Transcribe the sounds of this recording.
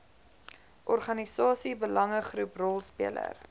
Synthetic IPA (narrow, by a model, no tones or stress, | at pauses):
ʔɔrχɐnisɑːsibəlɐŋəχruprɔlˠspiələ̰r